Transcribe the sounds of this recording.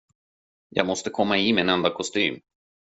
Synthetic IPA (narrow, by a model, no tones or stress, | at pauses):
jɑ̰ːɡmɔst̪əkʰɔmːaɪmɛnɛnd̪akʰɔst̪y̰ːm